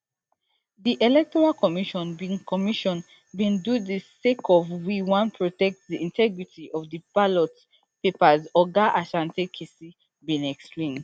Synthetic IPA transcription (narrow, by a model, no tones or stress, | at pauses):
diʔɛlɛk̚tɔɹalkʰɔmiʃɔ̃nbĩŋkʰɔmiʃɔ̃n | bĩndudisekʰɔvwiwãnpʰɹɔtɛk̚tdiĩntʰɛɡɹitʰiʔɔvdibalɔt | pepazɔɡaʔaʃãntekʰesi | bĩnɛksplẽnd